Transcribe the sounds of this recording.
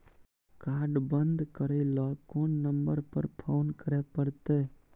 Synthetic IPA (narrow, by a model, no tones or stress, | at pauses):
kaːɾɖbənd̪ʱkəɾəilɔkoːnːəmbəɾpə̰ɾpʰoːnkəɾepəɾt̪e